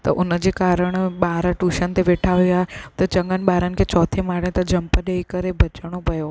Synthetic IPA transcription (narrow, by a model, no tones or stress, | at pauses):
t̪ɐʔʊnəd͡ʑeːkaːɾəɽ̃ɓaːɾʈuːʃənɪt̪eʋeːʈʰaːʋijoaːɦet̪ɐt͡ɕɐ̃ŋɡənɪ̆ɓaːɾənɪ̆kʰet͡ɕɔːt̪ʰemaːɽẽt̪ɐd͡ʑɐmpəɗeːikɐɾebʱɐt͡ɕɽ̃opɐjo